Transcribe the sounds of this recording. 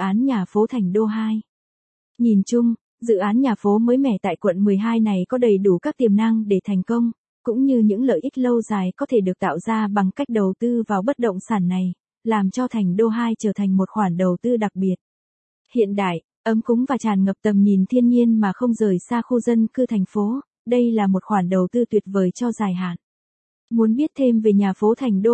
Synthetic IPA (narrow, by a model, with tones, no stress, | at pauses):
ʔaː˨˦nɲaː˨˩fo˨˦t̪ʰa˨˩jŋ̟ɗo˧ɦaː˧j | ɲi˨˩nt͡ɕʊ˧ŋ͡m | zɨ̰˧˨ʔaː˨˦nɲaː˨˩fo˨˦məː˨˦jmɛ̰˧˩t̪a̰ː˧˨jkwə̰˧˨nmɨ˨˩əjɦaː˧jna˨˩jkɔ˨˦ɗə˨˩jɗu˧˩kaː˦˥k̚t̪i˨˩əmna˧ŋɗe˧˩t̪ʰɛ˨˩jŋ̟kə˧wŋ͡m | kʊ̰˧˥ŋ͡mɲɨ˧ɲɨ̰˧˥ŋlə̰ː˧˨jʔi˦˥k̟̚lə˧wzaː˨˩jkɔ˨˦t̪ʰe˧˩ɗɨ˨˩ək̚t̪a̰ː˧˨wzaː˧ɓa˨˩ŋka˦˥jk̟̚ɗə˨˩wt̪ɨ˧vaː˨˩wɓə˦˥t̚ɗə̰˧˨wŋ͡msaː˧˩nːa˨˩j | laː˨˩mt͡ɕɔ˧t̪ʰa˨˩jŋ̟ɗo˧ɦaː˧jt͡ɕəː˧˩t̪ʰa˨˩ŋ̟mo˨˩t̚xwaː˧˩nɗə˨˩wt̪ɨ˧ɗa˨˩k̚ɓi˨˩ət̚ | hḭ˧˨ənɗa̰ː˧˨j | ʔə˨˦mkʊ˨˦ŋ͡mvaː˨˩t͡ɕaː˨˩nŋə˨˩p̚t̪ə˨˩mɲi˨˩nt̪ʰi˧ənɲi˧ənmaː˨˩xə˧wŋ͡mzəː˨˩jsaː˧xu˧zə˧nkɨ˧t̪ʰɛ˨˩jŋ̟fo˨˦ | ɗə˧jlaː˨˩mo˨˩t̚xwaː˧˩nɗə˨˩wt̪ɨ˧t̪wi˨˩ət̚vəː˨˩jt͡ɕɔ˧zaː˨˩jɦa̰ː˧˨nʔ | mu˨˦ənɓi˦˥ət̚t̪ʰe˧mve˨˩ɲaː˨˩fo˨˦t̪ʰa˨˩jŋ̟ɗo˧